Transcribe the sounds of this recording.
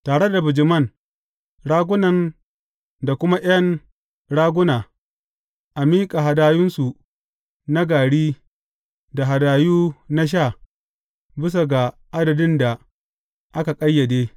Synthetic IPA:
taː˨ɽe˦da˨bʊ˨d͡ʒɪ˨mɐ˦˨n | ɽaː˦ɡʷʊ˦nɐ˨n | da˨kʷʊ˦ma˦ʔjɐ˦n | ɽaː˦ɡʷʊ˦naː˨ | ʔa˨miː˦kʼa˨ɦa˨daː˦jʊ˦nsu˨ | na˦ɡaː˨ɽiː˦ | da˨ɦa˨daː˨juː˦na˦ʃ̬aː˦˨ | bɪ˦s̬a˨ɡa˨ | ʔa˦dɐ˨dɪ˦nda˨ | ʔa˦ka˨kʼɐ˦jːɐ˨deː˦

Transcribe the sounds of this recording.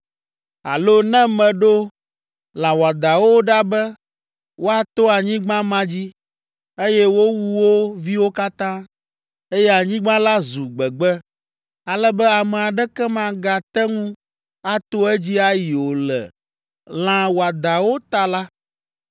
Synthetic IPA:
a̰˨lo˦nɛ̃˦mɛ̃˨ɖo˦ | l̃ã˨wo˨a˨d̪a˨wo˦ɖa˦bɛ˦ | wʔo˦a˨t̪o˦a˨ɲĩ˦ɡ͡bã˦mã˦d͡ʑi˦ | e˦jɛ˦wo˦wu˦wo˦vi˦wo˦ka˦t̪ã˦ | e˦jɛ˦a˨ɲĩ˦ɡ͡bã˦la˦zu˨ɡ͡bɛ˨ɡ͡bɛ˦ | a˨lɛ˦bɛ˦a˨mɛ˨a˨ɖɛ˦kɛ˦mã˨ɡa˨t̪ɛ˦ŋũ˦ | a˦t̪o˦ɛ˦d͡ʑi˦a˦ji˨wo˨lɛ̰˨ | l̃ã˨wo˨a˨d̪a˨wo˦t̪a˨la˦

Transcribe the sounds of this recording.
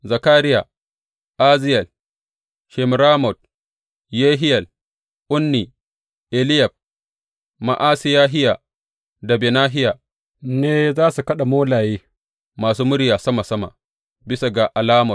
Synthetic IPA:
zɐ˨kaː˦ɾɪ˦ja˨ | ʔaː˦zɪ˦jɐ˨l | ʃɛ˨mɾaː˦mɔ˨d̚ | jeː˦ɦɪ˦jɐ˨l | ʔʊ˦nːi˨ | ʔɛ˨lɪ˦jɐ˨b̚ | ma̰˨ʔaː˦sɪ˦jaː˦ɦɪ˦ja˨ | da˨be˨naː˦ɦɪ˦jaː˨ | neː˦zaː˦su˨kɐ˦ɗa˨moː˦laː˨jeː˦ | maː˨suː˦mʊ˦ɽɪ˦jaː˨sɐ˦ma˨sɐ˦ma̰˨ | bɪ˦sa˨ɡa˨ʔa˨laː˦mɔ˨

